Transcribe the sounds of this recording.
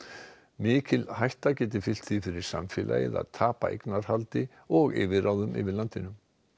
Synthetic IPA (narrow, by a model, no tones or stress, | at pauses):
mɪːcɪlhajht̪acɛːt̪̬ɪfɪl̥t̪θifɪɾɪɾ̥sa̰mfɪlʔa̰ːjɪða̰ðt̪ʰaːpaʔḛjknaɾ̥halt̪ɪ | ɔɣɪːvɪɾawðʏmʔɪ̰vɪðlant̪ɪnʏm